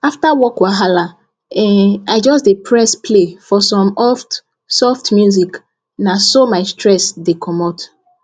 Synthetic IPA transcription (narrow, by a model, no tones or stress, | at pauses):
aftawɔkwaɦala | ɛaɪd͡ʒɔsdepʰɹɛspʰlefɔsɔ̃mɔft | sɔftmjuzik | nasomaɪstɹɛsdekʰɔmɔt